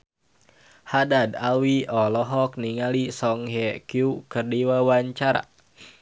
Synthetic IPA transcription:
hadadalwiɔlɔɦɔk̚niŋalisɔŋɦɛkiukərdiwawaɲt͡ʃaɾa̰

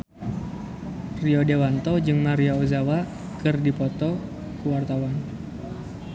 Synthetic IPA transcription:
riɔdewant̪ɔd͡ʒɨŋmaɾiaozawa | kɨrdipɔt̪ɔ | kuwart̪awan

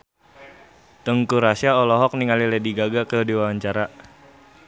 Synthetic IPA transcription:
t̪əŋkuɾasiaɔlɔɦɔk̚niŋalilediɡaɡakədiwawaɲt͡ʃaɾa

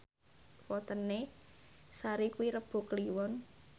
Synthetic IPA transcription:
wɔt̪əne | saɾikuwiɾəb̥o̤kliwɔn

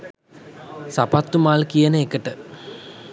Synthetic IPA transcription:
sapat̪ːumaːlkijənəekəʈə

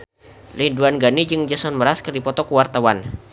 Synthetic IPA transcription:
linduanɡanid͡ʒɨŋd͡ʒasɔnməɾaskərdipɔt̪ɔkuwart̪awan

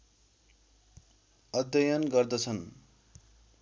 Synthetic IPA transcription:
ʌd̪jʌjʌnɡʌrd̪ʌt͡sʰʌn

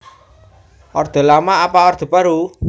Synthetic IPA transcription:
ʔɔrd̪̥ɔ̤lamaːpaɔrd̪̥ɔ̤paɾu

